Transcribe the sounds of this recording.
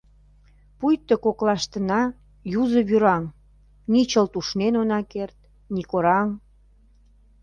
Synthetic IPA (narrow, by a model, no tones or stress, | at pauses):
pujt̪ːəkoklɑʃt̪ənɑ | juzə̆βyɾɑŋ | nit͡ɕəlt̪uʃnenonɑkert̪̚ | nikoɾɑŋ